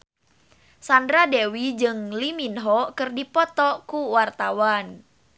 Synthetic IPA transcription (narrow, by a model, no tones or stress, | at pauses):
sandɾadewid͡ʒɨŋliminɦɔkɨrdipɔt̪ɔkuwart̪awan